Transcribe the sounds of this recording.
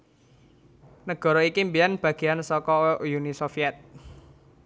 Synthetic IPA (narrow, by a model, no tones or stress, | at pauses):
nəɡ̥ɔ̤ɾɔikimbijanb̥ä̤ɡ̥eansɔkɔjunisofiɛt̪̚